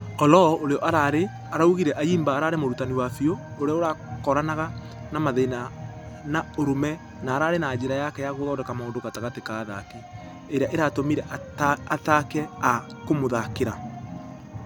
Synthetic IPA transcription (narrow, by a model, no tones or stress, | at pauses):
ɔlɔʔoɾeɔʔaɾaɾe | aɾauɣiɾɛʔaiːmbaːɾaɾemoɾutaniwafiooɾeɔoɾakɔɾanaɣa | namaðena | naoɾomɛ | naːɾaɾenad͡ʒeɾajakɛjaɣoðɔːdɛkamaondokataɣatekaːðakɛ | eɾeaʔeɾatomiɾɛʔatatakɛa | komoðakeɾa